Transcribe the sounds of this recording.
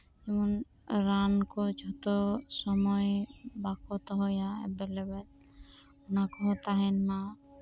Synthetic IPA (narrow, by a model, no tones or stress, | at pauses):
ɛmɔnɾankɔt͡ʃʰɔt̪ɔsɔmɔjbakɔt̪ɔɦɔjaɛ̰belebɛt̪ | nakɔɦot̪aɦɛnːa